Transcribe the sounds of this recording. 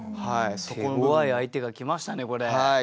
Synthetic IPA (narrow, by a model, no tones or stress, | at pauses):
haist̪oeɡoβaiait̪e̞ɡakʲimaɕi̥t̪ane̞ko̞ɾe̞ai